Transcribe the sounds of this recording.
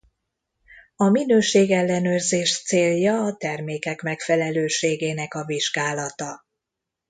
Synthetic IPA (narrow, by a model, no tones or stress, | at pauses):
ɒminøːʃeːɡɛlːɛnøːrzeːʃt̪seːljɒːt̪ɛrmeːkɛkmɛkfɛlɛløːʃeːɡeːnɛkɒviʒɡaːlɒt̪ɒ